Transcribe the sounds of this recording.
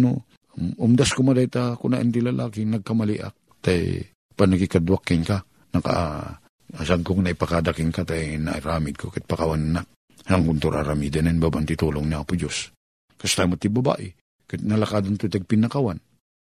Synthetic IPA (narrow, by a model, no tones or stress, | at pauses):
no | ʊmd̪askomɐd̪ajt̪akʊnaʔɛnt̪ilɐlʔaːkɪnɐɡ̚kɐmɐliʔa̰k̚ | t̪a̰j | paɡ̚nɐkikad̪wakːɪnka | nɐka̰ʔ | saɡkoknaɪpakad̪akɪŋkat̪ajnaʔḭɾaːmɪd̪̚kʰokat̪̚pakawananak̚ | haŋkʊnt̪uɾʔa̰ɾamiːd̪ananbabant̪ɪt̪uloŋniapʊd͡ʒos | kɐst̪aːmat̪ːɪbɐba̰ːʔɪ | kat̪nɐlakaːd̪ant̪ot̪aɡ̚pɪnɐkawan